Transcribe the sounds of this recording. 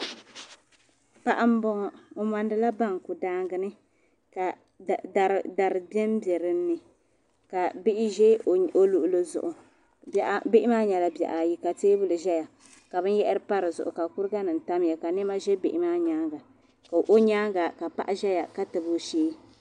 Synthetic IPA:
pa˨ʔa˦m̩˦bɔ˦ŋɔ˨o˨ma˨ndɨ˦la˦ba˦˨ŋ˨ku˨daː˦ŋɡɨ˦nɨ˦ | ka˨ | da˨ɾda˨ɾɨ˨bɛ˦m˦bɛ˨ɾɨ˦nː˦ɨ˨ | ka˨bɪ˦ʔɪ˦ʒe˦o˦lu˨ʔʊ˨lo˦zʊ̰˨ʔʊ˨ | bɪ˦ʔɪ˦maː˦ɲa˨la˨bɛ̰˨ʔa˨ji˦ka˨teː˦bɨ˦lɨ˨ʒɛ˦ja˨ | ka˨bɨ˦n˦jɛ˦ʔɪ˦ɾɨ˦pa˦ɾɨ˨zʊ̰˨ʔʊ̰˨ka˨ku˦ɾɨ˦ɡa˦nɨ˨n̩˨ta˦m˦ja˨ka˨nɪ˦ma˦ʒɛ˦bɪ˨ʔɪ˨maː˦ɲaː˦ŋɡa˨ | ka˨ʔo˦ɲaː˦ŋɡa˨ka˨pa̰˦ʔa˦ʒɛ˦ja˨ka˦tɨ˨bu˦ʃeː˦

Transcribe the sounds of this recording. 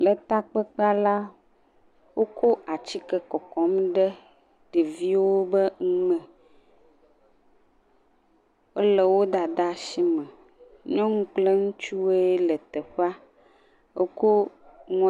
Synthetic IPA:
lə˨t̪a˦k͡pɛ˦k͡pa˦la˦ | wo˦kʰo˦a˨t͡ɕi˦kɛ˦kɔ˨kɔ˨mɖɛ˦ | ɖ̥e˨vi˦wo˦bə˦ŋ̩˦mɛ̃˨ | o˦lə˨wo˦d̪a˨d̪a˦ʃi˦mɛ̃˨ | ɲɔ̃˦ŋũ˦k͡ple˦ŋũ˦t͡ʃu˦e˦lə˨t̪ɛ˨ɸa˦ | wo˦ko˦ŋɔ̃˦

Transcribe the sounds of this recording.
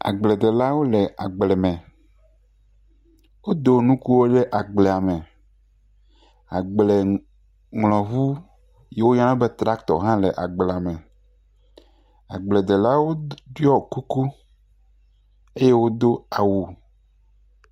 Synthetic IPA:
a̰˨ɡ͡ble˨d̪e˨la˦wo˦lɛ˨a˨ɡ͡blɛ˨mɛ̃˨ | wo˦d̪o˨nũ˦ku˦wo˦ɖe˦ʔa˨ɡ͡blɛ˨a˨mẽ˨ | a˨ɡ͡ble˨ | ŋlɔ̃˨vu˦ | je˦wo˦ɲã˦nã˦be˦t̪ɾa˦kt̪ɔ̰˨ɦã˦lɛ˨ʔa˨ɡ͡blɛ˨a˨mẽ˨ | a˨ɡ͡ble˨d̪e˨la˦wo˦ɖi˦ɔ˦˨ku˦ku˦ | e˦je˦wo˦d̪o˦a˨wu˨

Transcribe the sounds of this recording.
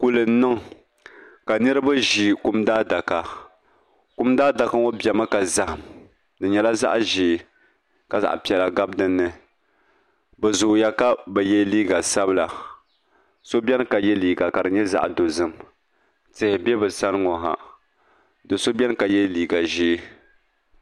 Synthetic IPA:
ku˦lɨ˨n˦nɨ˦ŋ | ka˨nɨ˦ɾɨ˦ba˦ʒi˨kʊ˦mdaː˦da˨ka˨ | kʊ˦mdaː˦da˨ka˦ŋo˦bjɛ˨ma˦ka˨za˨ha˨m | dɨ˨ɲɛ˨la˦za̰˦ʔʒɪː˨ | ka˨za̰˨ʔpi˨ɛ˨la˨ɡa˦bdɨ˦nːɨ˨ | bɛ˨zʊ˨ja˦ka˦bɛ˨jɛ˦liː˦ɡa˨sa˦bɨ˦la˨ | so˦bʲɛ˦n˦ka˨jɛ˦liː˨ɡa˨ka˨dɨ˨ɲɛ˦za̰˦ʔdo˨zɨ˦m | tɪ˦hɪ˨bɛ˦bɨ˨sa˦nɨ˦ŋo˨ɦa̰˨ | dɨ˨so˦bɛ˦n˦ka˨jɛ˦liː˨ɡa˨ʒeː˦

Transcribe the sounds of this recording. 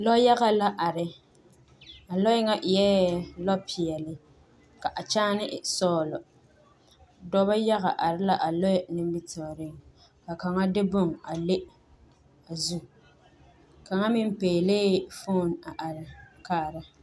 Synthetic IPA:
lɔ˦ja˦ɣa˨la˦ʔa˨ɾɪ˦ | a˨lɔ˦ɪ˦ŋa˦ʔjɛ˦lɔ˦pʰɪ˨ɛ˨lɪ˦ | ka˨ʔa˨t͡ʃaː˦nɪ˦˨sɔː˦˨lɔ˨ | dɔ˦ba˦ja˦ɣa̰˨ʔa˨ɾɪ˦la˨ʔa˨lɔ˦˨nɪ˦m˦bi˦tɔ˨ɾɪ˦˨ŋ | ka˨ka˨ŋa˦dɪ˦bʊ˦˨ŋa˨le˦ | a˨zu˦ | ka˨ŋa˦mɪ˦m˦peː˨leː˦fo˦˨na˨ʔa˨ɾɪ˨kaː˦˨ɾa˦

